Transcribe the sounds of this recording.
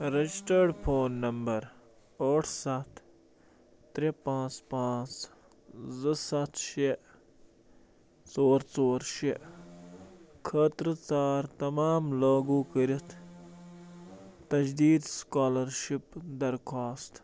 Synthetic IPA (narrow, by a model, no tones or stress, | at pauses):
ɾed͡ʒisʈeɖpʰoːnːɐmbɐɾ | oːʈʰsɐt̪ʰ | t̪ɾepãːt͡spãːt͡s | zɨsɐt̪ʰʃe | t͡soːɾt͡soːɾʃeʔ | kʰɐt̪ɾɨt͡saːɾt̪ɐmaːmlaːɡuːkəɾit̪ʰ | t̪ɐd͡ʒd̪iːd̪skaːlɐɾʃipd̪ɐɾkʰaːst̪